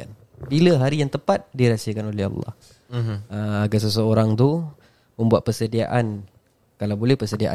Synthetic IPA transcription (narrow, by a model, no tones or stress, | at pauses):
a̰n | biləɦaɾijaŋt̪əpat̪̚diɾasəkanolɛɦɑ̰lːɑ̰h | əaɡas̬əs̬əoɾaŋt̪u | mə̃mbuat̪̚pərsədia̰ʔan | kalawbolɛhpəsədia̰ʔa̰